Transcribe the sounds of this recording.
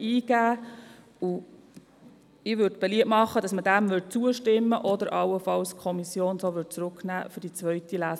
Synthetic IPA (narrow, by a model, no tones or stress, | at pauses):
iːɡ̥æː | u | ɪʋʏdb̥ɛliəpmɑχːədɑsməd̥æmʋʏd̚t͡suəʃtɪmːəʔɔd̪əɾʔɑwəfɑwskʰɔmisjoːnsoːʋʏd̚t͡sɾʊknæːfʏd̥it͡sʋœʏtilæːs